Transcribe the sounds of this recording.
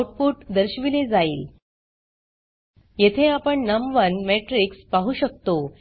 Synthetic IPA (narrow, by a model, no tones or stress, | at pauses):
ʈ̚puʈd̪əɾɕʋiled͡zaiːl | jet̪ʰeapəɳnəmʋənmeʈɾikspaɦuːɕək̚t̪o